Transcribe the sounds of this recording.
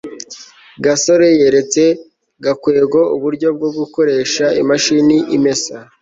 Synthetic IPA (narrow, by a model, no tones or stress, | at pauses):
ɡaso̞ɾe̞jeɾe̞t͡se̞ | ɡakwe̞ːɡo̞uβuɾɟo̞b̚ɡo̞bɡuko̞ɾe̞ːʃaimaʃiniʔime̞sa